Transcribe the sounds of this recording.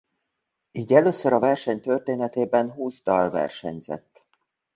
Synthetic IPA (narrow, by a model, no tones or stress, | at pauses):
iːɟɛløːsøɾɒvɛrʃɛɲt̪ørt̪eːnɛt̪eːbɛnɦuːzd̪ɒlvɛ̰rʃɛ̰ɲzɛ̰t̪ː